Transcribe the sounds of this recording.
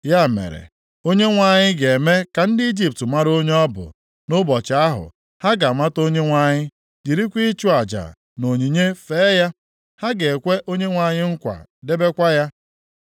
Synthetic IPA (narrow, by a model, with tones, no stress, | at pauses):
ja˦˨mḛ˨ɾḛ˨ | o˦ɲe˦ŋʷa˨ɲɪ˦ɡe˨me˦ka˨n̩˦dɪ˦i˦d͡ʒi˦p̚tma˦ɾo˦ɲe˦ɔ˦bʊ̰˨ | nʊ˦bɔ˨t͡ʃɪ˨a˦ɦʊ̰˨ | ha˦ɡa˨ma˦to˦ɲe˦ŋʷa˨ɲɪ˦ | d͡ʒi˨ɾi˦kʷi˦t͡ʃu˦a˨d͡ʒa̰˨ | no˨ɲi˨ɲe˦fe˨˦ja˦ | ha˦ɡe˨e˨kʷe˦ʔo˦ɲe˦ŋʷa˨ɲɪ˦ŋ̩˦kʷa̰˨de˦be˦kʷa˦ja˦